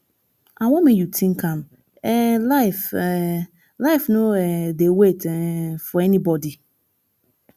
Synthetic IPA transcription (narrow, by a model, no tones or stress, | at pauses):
ãwɔ̃mẽjutʰĩŋkʰãm | ɛlaɪfɛ | laɪfnõɛdewetɛfɔɛnĩbɔdi